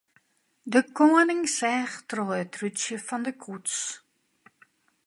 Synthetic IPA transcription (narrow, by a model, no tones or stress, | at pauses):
dəkoənɪŋsɛːχtroətrytsjəfɑndəkʰuts